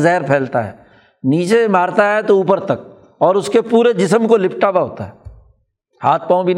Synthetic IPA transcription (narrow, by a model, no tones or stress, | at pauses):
zɛɦɾpʰɛːlt̪aɦɛ̰ː | niːt͡ʃemaːɾt̪aɦɛt̪ouːpəɾt̪ɐk̚ | ɔːɾʊskepuːɾed͡ʒɪsəmkolɪpʰʈaːbaɦo̰ːt̪a̰ɦɛː | haːt̪̚ʰpãːũbʱin